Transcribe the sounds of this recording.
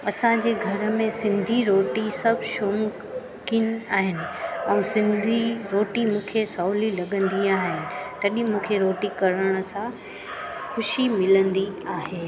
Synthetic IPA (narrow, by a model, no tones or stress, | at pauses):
ɐsãd͡ʑeːɡʱɐɾə̆mẽsɪ̃nd̪ʱiɾoːʈisɐbʱʃoːŋ | kin̆aːɦɪnɪ̆ɛ̃ːsɪ̃nd̪ʱiɾoːʈimũːkʰesawlilɐɠə̃nd̪iaːɦɪnɪ̆t̪ɐɗĩmũːkʰeɾoːʈikɐɾəɽ̃ə̆sã | xʊʃimɪlə̃nd̪iaːɦeː